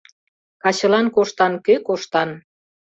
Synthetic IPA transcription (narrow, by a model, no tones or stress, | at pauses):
kɑɕə̆lɑnkoʃt̪ɑnkøkoʃt̪ɑn